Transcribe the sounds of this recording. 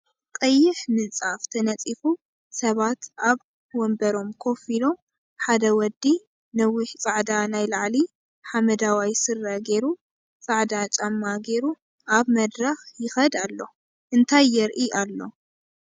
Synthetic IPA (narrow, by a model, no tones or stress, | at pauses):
kʼɐjːɪħmɨnt͡sʼaft̪ʰɐnɐt͡sʼifu | sɐβat̪ʔaβ | wɔmbɐɾo̞mkʰo̞filo̞m | ħad̪ɐwɔd̪ːi | nɐwɪħt͡sʼaʕd̪anajlaʕli | ħamɐd̪awajsɨrːɐɡe̞ɾu | t͡sʼaʕd̪at͡ʃʼamːaɡe̞ɾu | ʔaβmɐd̪ɾɐxjɪxɐd̪alːo̞ | ʔɨnt̪ʰajːɛɾʔiʔalːo̞̰